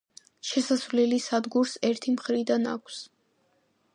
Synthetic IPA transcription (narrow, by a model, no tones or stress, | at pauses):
ʃɛsasvlilisad̪ɡuɾsɛɾt̪ʰimχɾid̪ana̰kʰs